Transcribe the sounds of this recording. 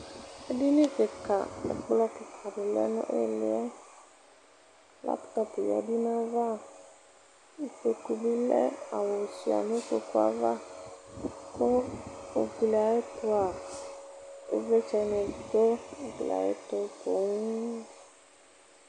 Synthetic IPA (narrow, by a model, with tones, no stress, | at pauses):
e˦ɖi˦nẽ˦ke˨ka̰˨ḛ˨k͡plɔ˦ke˨kʰa˨ɖe˨lɛ̰˦nɔ̰̃˦ʔḛ˦le˨˦a˦ | lʔa̰˦pt̪ɔ˦pe˨ja̰˨ɖi˦nã˦va˦ | i˨fe˨ku˨bi˦lɛ̰˦a̰˨wo˨si˨a̰˨nẽ˦fo˦ko˦a̰˦va˦ | ko˦o˨ɡli˨a˨je˦t̪o˦a˨ | ḛ˦ve˦t͡ʃɛ˨nɛ̃˨d̪o˦˨ɡlḭ˨a̰˨jḛ˦t̪o˦bo˨ŋũ˦